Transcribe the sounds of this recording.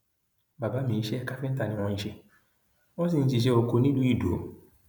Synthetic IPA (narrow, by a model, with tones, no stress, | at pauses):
ba˨ba˨˦mĩː˨˦ʃe˦ka˦fĩ˦n̩˦ta˨nĩ˧w̃ɔ̃˧i˦˧ʃe˧ | wɔ̃˦s̬ĩ˦˨n̩˦t̬i˨ʃ̬e˧˦o˨ko˧nĩ˦du˦i˦˨do˨˦